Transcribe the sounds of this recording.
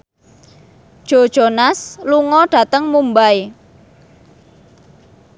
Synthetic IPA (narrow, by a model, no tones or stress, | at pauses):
d̥ʒ̥o̤d̥ʒ̥o̤nasluŋɔɖ̥ä̤t̪əŋmumbaj